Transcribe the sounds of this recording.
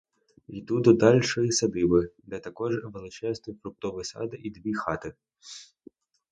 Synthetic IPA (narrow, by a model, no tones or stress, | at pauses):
id̪ud̪ɔd̪ɑlʲʃɔjisɐd̪ɪbɪd̪ɛt̪ɐkɔʒʋelˠɪt͡ʃɛznɔjpɾʊp̚t̪ɔʋɪsɑ̰d̪ɪʔid̪ʲʋʲixɑt̪ɪ